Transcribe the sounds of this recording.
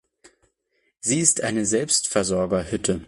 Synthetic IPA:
z̥iːɪstʔaɪnəzɛlpstfɛɐzɔɐɡɐhʏtʰə

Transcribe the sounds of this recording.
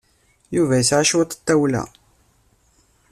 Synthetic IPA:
juvæjəsʕaʃwæt̪ˤə̥t̪ːæwlæ̰

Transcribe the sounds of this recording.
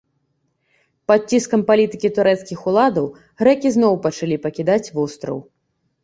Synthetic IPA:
pɐt͡sʲːiskɐmpalʲit̪ɨkʲit̪uɾɛt̪skʲixulˠad̪ɐw | ɣɾɛkʲiznɔwpɐt͡ʂalʲipɐkʲid̪at͡sʲvɔst̪ɾɐ̰w

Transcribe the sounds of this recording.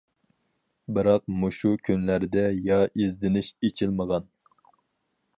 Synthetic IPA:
bɨɾɑq̚muʃukʲʰynlæɾd̪ɛjɑʔezd̪ɪnɪʃet͡ʃʰilməʁɑn

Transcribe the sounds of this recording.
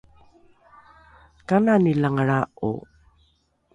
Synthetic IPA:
kananilaŋɭaṵ

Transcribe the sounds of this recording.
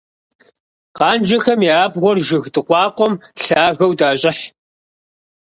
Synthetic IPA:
qɑːnd͡ʒɐxɐmiaːbʁʷɔrʒɪɣdɨqʷɑːqʷɔmɬaːɣɐwdaːɕʼɪħ

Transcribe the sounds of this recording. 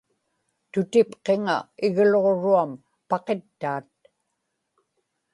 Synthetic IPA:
t̪ʊt̪ɪpqeŋa̰ɪɣloʁoɻuam | pɑqe̞t̪ːaːt̪̚

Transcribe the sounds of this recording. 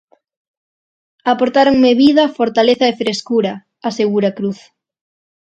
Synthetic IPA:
apoɾt̪aɾoŋmeβiðɐfoɾt̪aleθɐefɾeskuɾɐ | aseɣuɾɐkɾuθ

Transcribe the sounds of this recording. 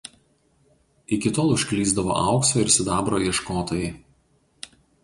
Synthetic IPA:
ɪkʲɪt̪oːlˠʊʃʲkʲlʲiːzd̪ɐʋo̰ːʔɑˑʊksoːɪɾsʲɪd̪ɑːbɾoːjɛʃkoːt̪oːjɛ

